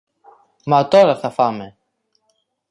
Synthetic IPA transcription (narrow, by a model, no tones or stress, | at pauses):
mɐt̪o̞ɾɐθɐfɐme̞